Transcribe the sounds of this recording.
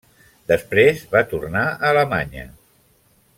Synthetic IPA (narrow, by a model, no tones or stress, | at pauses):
d̪əspɾezβat̪urnaələmaɲə̰